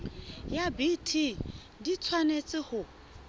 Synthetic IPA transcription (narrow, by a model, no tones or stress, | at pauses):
jabitʰi | dit͡sʰwanet͡sʼɪhʊ